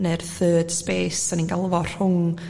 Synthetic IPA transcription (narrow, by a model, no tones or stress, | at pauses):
nɛrθəːd̥speːsaninɡalˠvɔr̥hʊŋ